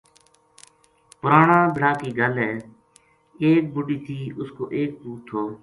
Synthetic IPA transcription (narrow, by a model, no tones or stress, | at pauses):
pʊɾaːɳãːbʱɪɽaːkiːɡəlɦɛː | eːk̚bʊɖiːt̪ʰiːʔʊsko̰ːʔeːk̚puːt̪ʰːoː